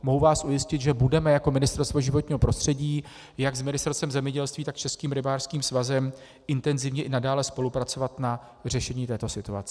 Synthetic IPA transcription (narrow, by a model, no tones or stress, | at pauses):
mo̞ɦuvaːsʔujɪscɪt̪ʒɛbudɛmɛjako̞mɪnɪst̪ɛɾst̪vo̞ʒɪvo̞t̪ɲiːɦo̞pɾo̞st̪r̝̥ɛɟiː | jaɡzmɪnɪst̪ɛɾst̪ɛmzɛmɲɛɟɛlst̪viːt̪akt͡ʃɛskiːmɾɪbaːrskiːmsvazɛm | ɪnt̪ɛnzɪvɲɛʔɪnadaːlɛspo̞lupɾat͡so̞vat̪na | r̝ɛʃɛɲiːt̪ɛːt̪o̞sɪt̪ua̰t͡sɪ